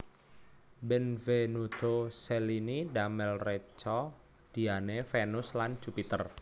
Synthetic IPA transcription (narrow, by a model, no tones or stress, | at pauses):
bɛnvenud̪̥oseliniɖamɛlret͡ʃɔ | d̪̥i̤anefenʊslan̥ʒ̥upit̪ər